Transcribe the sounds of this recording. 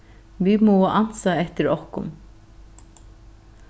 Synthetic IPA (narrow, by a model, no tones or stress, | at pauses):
vimɔaʔan̥saɛht̪ɪɾɔhkʊ̰m